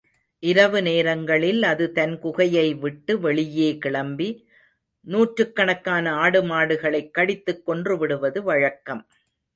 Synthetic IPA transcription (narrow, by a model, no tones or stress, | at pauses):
ʔɪɾɐʋɯneːɾɐŋɡɐɭɪlɐðɯt̪ɐnkʊɣɐjɐɪʋɪʈːɯʋɛɭɪjeːkɪɭɐmbi | nuːʈɾɯkːɐɳɐkːaːnɐaːɽɯmaːɽɯɣɐɭɐɪkːɐɽɪt̪ːɯkːɔndrɯʋɪɽɯʋɐðɯʋɐɻɐkːɐm